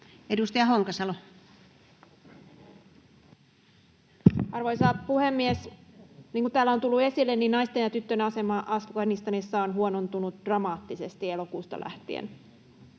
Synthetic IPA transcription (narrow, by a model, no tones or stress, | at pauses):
edust̪ɑjɑhoŋkɑsɑlo | ɑrʋo̞jsɑːpuhe̞mːiesniːŋkut̪t̪æːlːæont̪ulːue̞silːenːinnɑjst̪e̞njɑt̪yt̪ːønɑse̞mɑʔɑsukɑnist̪ɑnisːɑonɦuonont̪unut̪d̥rɑmɑːt̪ːise̞st̪ielokuːst̪ɑ̰lʔæ̰ht̪iḛn